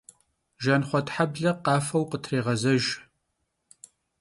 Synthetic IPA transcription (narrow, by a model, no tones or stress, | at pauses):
ʒɐnχʷɔtħabɮɐqɑːfɐwqətʰreːʁɐzɐʒ